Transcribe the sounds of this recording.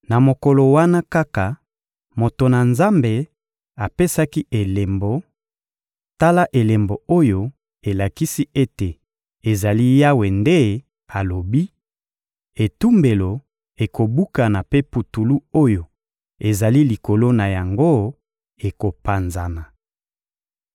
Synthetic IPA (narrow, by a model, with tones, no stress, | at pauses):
na˨mo˨ko˨lo˨wa˦na˦ka˦ka˨ | mo˨to˨na˨nza˦mbe˨ | a˨pe˦sa˦ki˦e˨le˨mbo˨ | ta˦la˦ʔe˨le˨mbo˨o˦jo˨ | e˨la˨ki˦si˦e˦te˨ | e˨za˨li˦ja˦we˨nde˦ | a˨lo˨bi˦ | e˨tu˦mbe˨lo˨ | e˨ko˨bu˦ka˨na˨pe˦pu˨tu˨lu˦o˦jo˨ | e˨za˨li˦li˨ko˨lo˦na˨ja˨ŋɡo˦ | e˨ko˨pa˨nza˨na˨